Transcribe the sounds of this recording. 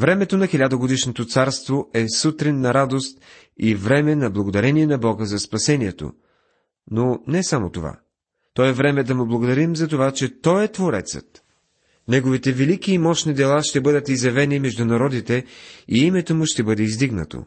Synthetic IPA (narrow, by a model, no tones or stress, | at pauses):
vɾɛmɛt̪onɐxilʲad̪əɡod̪iʃnot̪ot̪saɾst̪voʔɛsut̪ɾinːɐɾad̪ost̪ | ivɾɛmɛnɐblˠɐɡod̪ɐɾɛniɛnɐbɔɡəzɐspɐsɛniɛt̪o̰ | nonɛsamot̪ova̰ | t̪ɔɛvɾɛmɛd̪ɐmʊblˠɐɡod̪ɐɾimzɐt̪ovat͡ʃɛt̪ɔjɛt̪voɾɛ̰t̪sə̰t̪ | nɛɡovit̪ɛvɛlikiːmɔʃnid̪ɛlˠaʃt̪ɛbɤd̪ət̪izjɐvɛnimɛʒd̪ʊnɐɾɔd̪it̪ɛiimɛt̪omʊʃt̪ɛbɤd̪ɛizd̪iɡnə̰t̪o̰